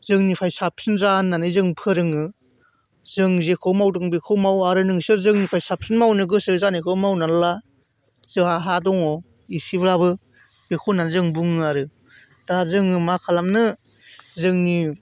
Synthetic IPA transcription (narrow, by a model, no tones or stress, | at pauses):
zɯŋnipʰajsap̚sɯnzanːanɯzɯŋpʰɯɾɯŋɯ | zɯŋzekʰɯwmawdɯŋbekʰɯwmawaɾɯnɯŋsɯzɯŋnipʰajsap̚sɯnmawnɯɡɯsɯzanekʰɯwmawnala | z̥ɯaɦadɔŋɔ | isibɾabɯ | b̥ekʰɯwnanzɯŋbuŋɯaɾɯ | d̥azɯŋɯmakʰalamnɯ | zɯŋni